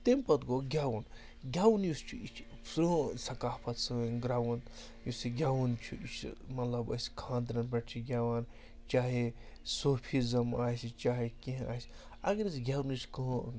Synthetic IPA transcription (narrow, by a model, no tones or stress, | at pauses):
t̪empɐt̪ɡoɡʲaːwɐn | ɡʲaːwunjust͡ʃʰuit͡ʃʰ | sɾusɐkaːpʰɐt̪sɨɡɾaːwɐnt̪ | jusiɡʲaːwunt͡ʃʰuit͡ʃʰmɐt̪lɐbɐ̰skʰãːnd̪ɾɐnbɐʈt͡ʃʰiɡʲaːwan | t͡ʃaːɦe | soːpʰizɐmaːsit͡ʃaːɦekĩɦa̰ːs | ɐ̰ɡɐɾisɡʲaːwnjuskɨ